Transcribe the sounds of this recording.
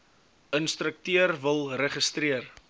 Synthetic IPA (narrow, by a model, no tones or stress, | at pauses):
ənst̪rək̚tyərvəlˠrəχəst̪riər